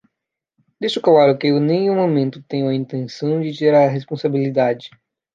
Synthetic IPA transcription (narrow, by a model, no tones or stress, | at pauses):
d̪isʊkawaɾɐkɪenẽjũmõmẽnt̪ʊt̪ẽj̃ʊ̃ɐĩnt̪ẽnsɐ̃w̃d͡ʒɪt̪eɾɐɦespõsabilid̪ad͡ʒɪ